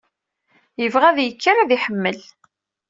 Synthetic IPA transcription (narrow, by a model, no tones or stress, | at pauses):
jəvʁæðjəkːaɾæðiħəmːəl